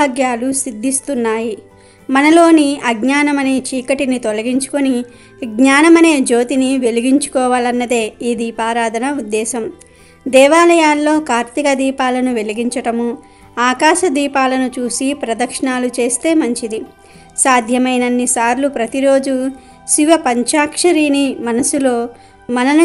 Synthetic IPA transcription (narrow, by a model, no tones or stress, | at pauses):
bʱaːɡjaːlusid̪ʱːist̪unːaːji | mɐnɐlo̞ːniɐɡɲaːnɐmɐneːt͡ʃiːkɐʈinit̪olɐɡiɲt͡ʃu̥koni | ɡɲaːnɐmɐne̞ːd͡ʒo̞ːt̪iniʋe̞liɡiɲt͡ʃu̥kɔːʋaːlɐnːɐd̪e̞ːiːd̪iːpaːɾaːd̪ʱɐnɐud̪ːɛːsɐm | d̪ɛːʋaːlɐjaːlːo̞ːkaːɾt̪ikɐd̪iːpaːlɐnuʋe̞liɡiɲt͡ʃɐʈɐmu | aːkaːʃɐd̪iːpaːlɐnut͡ʃuːsipɾɐd̪ɐkʂɐɳaːlut͡ʃe̞ːst̪e̞ːmɐɲt͡ʃid̪i | saːd̪ʱjɐmɐjnɐnːisaːɾlupɾɐt̪iɾo̞ːd͡ʒu | ʃiʋɐpɐɲt͡ʃaːkʂɐɾiːnimɐnɐsulo̞ː | mɐnɐnu